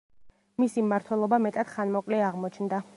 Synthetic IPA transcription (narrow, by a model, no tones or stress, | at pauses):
misimaɾt̪ʰwɛlˠɔbamɛt̪ʼad̪̥χanmɔkʼlɛaʁmɔt͡ʃʰnd̪a